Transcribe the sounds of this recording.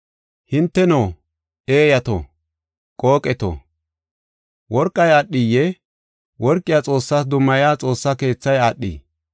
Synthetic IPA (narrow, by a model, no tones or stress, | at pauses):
hɪnt̪ːɛnoː | eːjɐt̪o̰ | kʼoːkʼːɛt̪o̰ | wɔɾkʼːɐjaɗːijːɛ | wɔɾkʼːɪjaːt͡sʼo̞ːsːaːs̬d̪ʊmːɐjaːt͡sʼo̞ːsːake̞ːt͡sːɐjaːɗːḭː